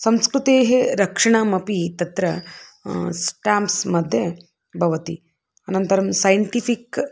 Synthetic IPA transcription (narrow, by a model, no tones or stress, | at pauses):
sɐmskɾut̪eːɦeɾɐkʂɐɳamɐpit̪ɐt̪ɾɐ | sʈaːmpsmɐd̪ʱjɐ | bʱɐʋɐt̪i | ɐnɐnt̪ɐɾɐmsɐjɳʈipʰik